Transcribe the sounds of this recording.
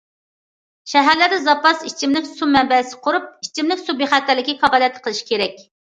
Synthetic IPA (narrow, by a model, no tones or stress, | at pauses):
ʃɛɦæɾlæɾd̪ɛzɑpɑsit͡ʃʰimnɪkʲsumɛmbɛsɪ̥qʰʊɾup̚it͡ʃʰimnɪkʲsubeχæt̪ːæɾlɪkʲːifɑʁɑlˠijɛt̪ʰqʰəlˠɨʃi̥kʲʰeɾɛkʲ